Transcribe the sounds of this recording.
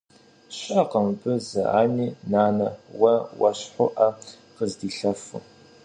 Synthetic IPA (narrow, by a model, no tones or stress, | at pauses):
ɕʼɐqəmbɨzɨ̰ʔa̰ːniːnaːnɐwɐwɐ̰ɕħʷʊʔɐ | qəzdiːɬɐfʊ̰